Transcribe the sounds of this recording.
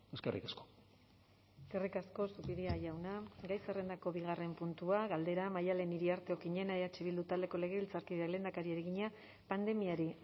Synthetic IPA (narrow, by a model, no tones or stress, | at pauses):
eskerḭkasko̥ | eskerikasko̞supiðiaʝawnaɡajsere̞nd̪ako̞βiɣ̞are̞mpunt̪uaɣald̪e̞ɾamajale̞niɾiaɾt̪e̞okiɲe̞naeðat͡ʃiβild̪ut̪ald̪e̞ko̞le̞ɣ̞e̞βilt͡saɾkiðakle̞ːnd̪akaɾieɾeɣiɲa | pand̪e̞miaɾi